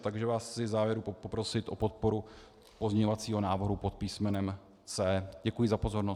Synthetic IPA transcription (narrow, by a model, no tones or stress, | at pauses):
t̪aɡʒɛvaːst͡sɪvzaːvjɛɾupopopɾo̞sɪt̪ʔo̞po̞t̪̚po̞ɾu | pozɲɛɲovat͡siːɦo̞naːvɾ̩ɦupot̪̚piːsmɛnɛm | t͡sɛːɟɛkujɪzapo̞zo̞ɾno